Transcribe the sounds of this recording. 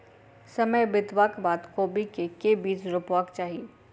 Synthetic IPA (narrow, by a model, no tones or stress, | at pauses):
sɐməjbɪt̪ʋaːkbaːt̪koːbikekebiːt͡ʃɾʊpʋaːkt͡ʃaːɦieː